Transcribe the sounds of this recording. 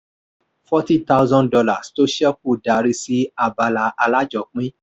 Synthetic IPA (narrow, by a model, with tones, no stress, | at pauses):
fɔ˦ti˦ta˦wzɔ̃˦ndɔ˧la˨sto˦ʃɛ˦k̚u˦˨da˨ɾi˧si˦a˦˨ba˧la˧˦ʔa˧la˦d͡ʒɔ˨k͡pĩ˦